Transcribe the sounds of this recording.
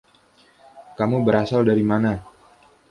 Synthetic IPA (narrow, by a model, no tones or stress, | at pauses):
kamubəɾasaldaɾimana